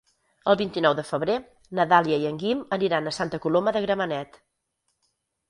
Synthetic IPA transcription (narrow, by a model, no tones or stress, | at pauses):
əlˠβint̪inɔwðəfəβɾe | nəðaliəiəŋɡiməniɾanəsant̪əkuloməðəɣɾəmənɛt̪